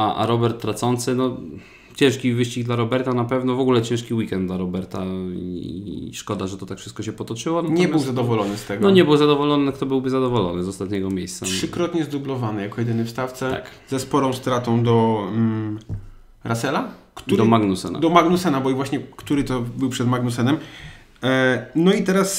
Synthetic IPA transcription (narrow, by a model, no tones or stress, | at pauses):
aʔa̰ɾɔbɛɾt̪ːɾat̪sɔnt̪sɘnɔ | t͡ɕɛ̃ʂkʲivɘɕt͡ɕiɡd̪laɾɔbɛɾt̪anapɛvnɔvɔɡulɛt͡ɕɛ̃ʂkʲiwikɛnd̪d̪laɾɔbɛɾt̪aiʂkɔd̪aʐɛt̪ɔt̪akfʂɘst̪̚kɔɕɛpɔt̪ɔt͡ʂɘwɔnɲɛɘwzad̪ɔvɔlɔnɘst̪ɛɡɔɔɲɛbɘwzad̪ɔvɔlɔnɘkt̪ɔbɘwbɘzad̪ɔvɔlɔnɘzɔst̪at̪ɲɛɡɔmʲjejst̪saʂʂɘkɾɔt̪ɲɛzd̪ublɔvanɘjakɔjɛd̪ɘnɘfst̪aft̪sɛa̰kzɛspɔɾɔ̃st̪ɾat̪ɔ̃w̃d̪ɔ | ɾʔasɛlakt̪uɾd̪ɔmaɡnusɛ̰na̰d̪ɔmaɡnusɛnabɔivwaɕɲɛkt̪uɾɘt̪ɔbɘwpʂɛd̪maɡnusɛnɛm | nɔit̪ɛɾas